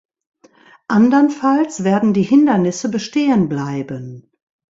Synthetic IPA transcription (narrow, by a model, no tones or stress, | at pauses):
ʔandɐnfalsv̥ɛːɐdn̩diːhɪndɐnɪsəbəʃteːənblaɪbən